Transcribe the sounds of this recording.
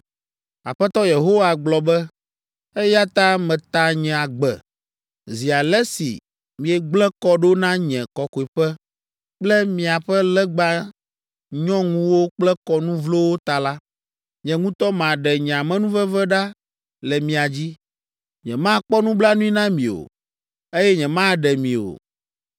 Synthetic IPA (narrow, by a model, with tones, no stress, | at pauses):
a̰˨ɸɛ˦t̪ɔ˦je˨ɦo˦wa˨ɡ͡blɔ˨bɛ˦ | ɛ˦ja˦t̪a˦mɛ̃˨t̪a˦ɲɛ̃˨a˨ɡ͡bɛ̰˨ | zi˨a˨lɛ˦sḭ˨ | mĩ˨ɛ˨ɡ͡blɛ˦kɔ˦ɖo˦nã˦ɲɛ̃˨kɔ˨ko˨i˨ɸɛ˦ | k͡plɛ˦mĩ˨a˨ɸɛ˦lɛ˦ɡ͡ba˦ | ɲɔ̃˦ŋũ˦wo˦k͡plɛ˦kɔ˦nũ˦vlo˦wo˦t̪a˨la˦ | ɲɛ̃˨ŋũ˦t̪ɔ˦mã˨ɖɛ˨ɲɛ̃˨a˨mɛ̃˦nũ˦vɛ˦vɛ˦ɖa˦ | lɛ˨mĩ˨a˨d͡ʑi˦ | ɲɛ̃˨mã˦k͡pɔ˦nũ˦bla˦nũ˦i˦nã˦mĩ˨o̰˨ | e˦jɛ˦ɲɛ̃˨mã˦ɖɛ˨mĩ˨o̰˨